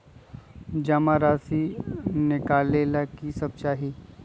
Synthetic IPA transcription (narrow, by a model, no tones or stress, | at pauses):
d͡ʒamaɾaːsinɪkaːlelakisɐb̚t͡ʃaːɦi